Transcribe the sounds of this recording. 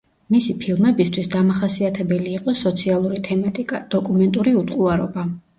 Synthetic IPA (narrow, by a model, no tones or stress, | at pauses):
misipʰilˠmɛbist̪ʰwisd̪amaχasiat̪ʰɛbɛliːqʼɔsɔt̪sʰialˠuɾit̪ʰɛmat̪ʼikʼad̪̥ɔkʼumɛnt̪ʼuɾiut̪ʼqʼuaɾɔba